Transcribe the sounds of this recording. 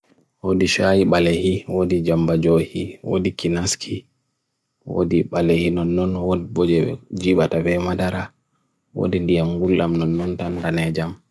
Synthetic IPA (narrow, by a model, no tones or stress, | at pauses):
wodiʃajiɓalɛhiwodid͡ʒambad͡ʒohiwo̰dikinaskʰi | wo̰diɓalehinɔnːɔnwodibɔd͡ʒɛd͡ʒiɓatabɛmadaɾa | wo̰dindijamɡulːamnɔnːɔntandanɛd͡ʒam